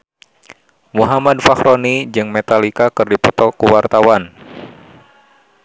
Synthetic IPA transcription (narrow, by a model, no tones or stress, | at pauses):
muɦamadfahɾonid͡ʒɨŋmet̪alikakɨrdipɔt̪ɔkːuwart̪awan